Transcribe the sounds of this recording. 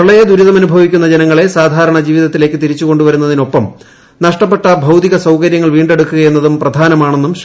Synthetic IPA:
ɐɭɐjɐd̪uɾuðɐmɐnubʱɐʋikʲːun̪ːɐd͡ʑenɐŋːɐɭe̞saːd̪ʱaːɾɐɳɐd͡ʑiːʋiðɐt̪ːile̞ːkːɨt̪iɾit͡ɕːuko̞ɳɖuʋɐɾun̪ːɐðino̞pːɐm | nɐʂʈɐpːe̞ʈːɐbʱɐwd̪iɣɐsɐwkɐɾjɐŋːɐɭʋiːɳɖe̞ɽukːuɣɐje̞nːɐðumprɐd̪ʱaːnɐmaːɳe̞nːum

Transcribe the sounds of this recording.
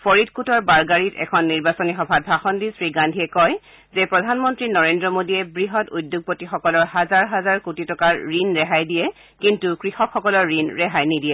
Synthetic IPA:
pʰɔɹitkutɔɹbaɹɡaɹitɛ̰kʰɔnːiɹbasɔnixɔbʱat̚bʱɹaxɔndisɹiɡandʱiɛkɔj | zɛpɹɔdʱanmɔntɹinɔɹendɹɔmodiɛbɹiɦɔtudːjʊɡ̚potixɔkɔlɔɹhazaɹɦazaɹkutitɔkaɹɹinɹɛɦajdijɛ | kintukɹixɔkxɔkɔlɔɹːinɹɛɦajnidiɛ

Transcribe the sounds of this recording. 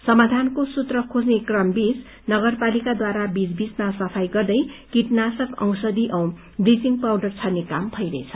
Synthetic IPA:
sʌmad̪ʱankosut̪rʌkʰod͡znekrʌmbis | nʌɡʌrpalikad̪waɾabid͡zbismasʌpʰajɡʌrd̪ʌjkiʈnasʌkʌ̰w̃sʌd̪iʔʌw | brisiŋpawɖʌrt͡sʰʌnekambʱʌjɾʌjt͡sʰʌ̥

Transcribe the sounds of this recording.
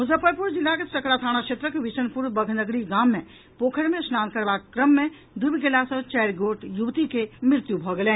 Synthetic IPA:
ɦʊzəpəɾpuɾd͡ʒɪlːakesɐklat̪ʰaːɽ̃at͡ʃʰet̪ɾəkʋɪsənpuɾbəɡʱnəɡɽiɡaːmːẽ | poːkʰəɽmẽsnaːnkəɾʋaːkkɾəmːẽ | d̪ubiɡelasə̃t͡ʃɛːɾɡoːʈjuʋt̪ikemɪɾt̪jubʱɔɡlẽː

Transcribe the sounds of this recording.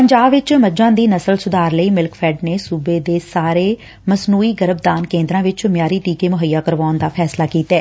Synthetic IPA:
pəɲd͡ʒaːbʋɪt͡ʃməd͡ʒãːd̪iːnəsəlsʊd̪aːɾləiːmɪlkpʰɛːɖneːsuːbeːd̪eːsaːɾeː | məsnuːiːɡəɾəbd̪aːnkẽːnd̪ɾãːʋɪt͡ʃmjaːɾiːʈiːkeːmʊɦəjːaːkəɾʋaːnd̪aːpʰɛːslaːkiːt̪ɛː

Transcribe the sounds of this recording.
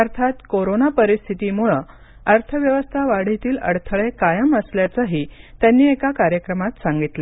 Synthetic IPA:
əɾt̪ʰat̪koɾonapəɾist̪ʰit̪iːmuɭə | əɾt̪ʰəʋjəʋəst̪ʰaʋaɽ̤it̪iːlə̰ɽt̪ʰəɭekajəməsljat͡səɦiːt̪janːiːekakaɾjəkɾəmat̪saŋɡit̪le

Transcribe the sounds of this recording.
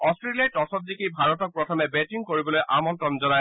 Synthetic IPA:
ɔstɹeliatɔsɔt̚dikʰibʱaɹɔtɔk̚pɹɔtʰɔmɛbɛtiŋkoɹibɔlojʔamɔntɹɔnzɔnaj

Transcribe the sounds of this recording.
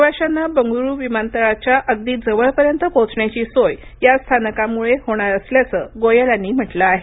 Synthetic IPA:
ʋaɕanːabəŋɡuɾuːʋimant̪əɭat͡ɕjaʔəɡ̚d̪iːd͡zəʋəɭpəɾjənt̪əkot͡sɳjat͡ɕiːsoj | jast̪ʰanəkamuɭehoɽ̃aɾəsljat͡səːɡojəlanːiːm̤əʈləaɦe

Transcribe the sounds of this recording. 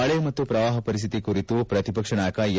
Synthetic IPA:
ɐɭemɐt̪ːupɾɐʋaːɦɐpɐɾist̪ʰit̪ikuɾit̪upɾɐt̪ipɐkʂɐɳaːkɐj

